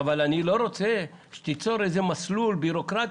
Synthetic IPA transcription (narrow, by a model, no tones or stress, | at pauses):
avalanilo̞ʁo̞t͡se | ʃe̥t̪it͡so̞ɾejzemaslulbiʁo̞kʁat̪